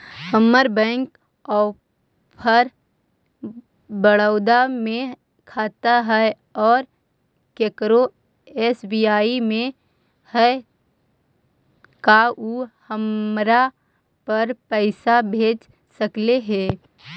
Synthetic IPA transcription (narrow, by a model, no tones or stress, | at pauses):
həmːəɾbɛ̃ːŋk | ɔː | pʰəɾ | bəɽəʊd̪amẽ | kʰaːt̪aɦɛe | ɔːɾ | keːkɾo | eːsbiːaːimẽ | hɛ | kaʔuhəmɾa | pəɾpəɪsabʱeːd͡ʒ | səkleɦɛː